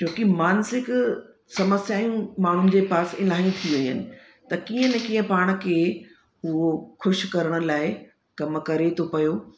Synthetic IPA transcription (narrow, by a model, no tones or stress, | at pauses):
t͡ɕoːkimaːnsɪk | sɐməsjaːjũmaːɳ̤ʊnɪ̆d͡ʑeːpaːsɪlaːĩt̪ʰiʋɐɲənɪ̆ | t̪ɐkiːə̃nɛ̃kiːə̃paːɽ̃̆kʰeː | ɦʊoxʊʃkɐɾəɽ̃ʊ̆laːɪ | kɐmkɐɾet̪ʰopɐjoː